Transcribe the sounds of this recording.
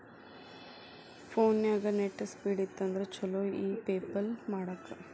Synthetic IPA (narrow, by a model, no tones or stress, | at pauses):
pʰoːnjaːɡɐneʈːɐspiːɽit̪ːɐnd̪ɐɾet͡ʃɐloːiːpeːpɐlmaːɽɐkːɐ